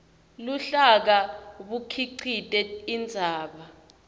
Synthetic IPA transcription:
luɬak̬aɓukʰiǀʰitʼɛind͡zʱaːɓa

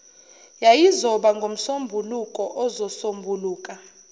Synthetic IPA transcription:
jajizɔɓaŋɡʱom̩sombʱulukʼɔʔɔzɔsombʱuluːkʼa

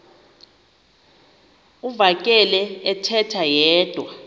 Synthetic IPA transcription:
uvak̬ʼɛlɛɛtʰɛtʰajɛːd̥ʱwa

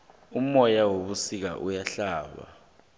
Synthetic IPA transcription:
um̩ɔjawoɓusik̬a̰ʔujaɬaːɓa̰

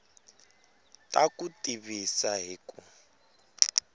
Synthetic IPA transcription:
tʼakʼutʼiβisaɦiːkʼu

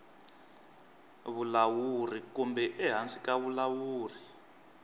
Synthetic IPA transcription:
βulawurikumbɛʔɛɦant͡sʼikaβulawuːri

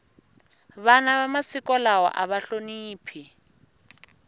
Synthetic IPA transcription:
βanaβamasikʼɔlawɔ̰ʔaβaɬoniːpʰi

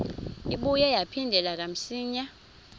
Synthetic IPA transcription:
iɓujɛjapʰindʱɛlak̬am̩siːɲa

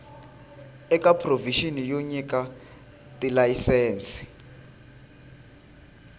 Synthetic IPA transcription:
ɛkapʰroviʃinijoɲik̬ʼa | tʼilajisɛːnt͡si̥

